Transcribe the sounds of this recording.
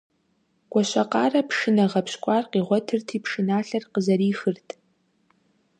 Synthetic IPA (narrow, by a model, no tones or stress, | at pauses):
ɡ̥ʷʼɔɕɐqɑːrɐpʰʂɨnɐʁɐpɕkʷʼɑːrqiːʁʷɔtʰɨrtʰiːpʂɨnaːɬɐrqəzɐɾiːxɨrtʰʼ